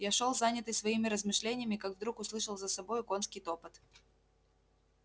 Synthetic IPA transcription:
jaʂolˠzanʲɪt̪ɨjsʲsvɐimʲɪɾəzmɨʂlʲenʲɪjəmʲɪkaɡvd̪ɾukʊslˠɨʂəlˠzəsɐbojʊko̞nskʲɪjt̪o̞pɨt̪

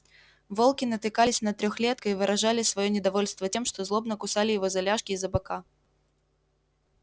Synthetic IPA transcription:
volˠkʲɪnət̪ɨkalʲɪsʲnɐt̪ɾʲɔxlʲet̪̚kəivɨɾʔɐʐalʲɪsvɐjonʲɪd̪ɐvolʲst̪vətʲe̞mʂt̪ozlˠobnəkʊsalʲɪjɪvozɐlʲaʂkʲɪːzɐbɐka

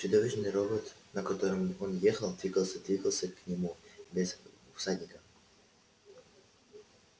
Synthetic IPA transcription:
t͡ɕʊd̪ovʲɪʂnɨjɾoxət̪nəkɐt̪oɾɨmonjexəlˠd̪vʲiɡəlˠsʲəd̪vʲiɡəlˠsʲəknʲɪmubʲɪzʊsad̪ʲnʲɪkəf

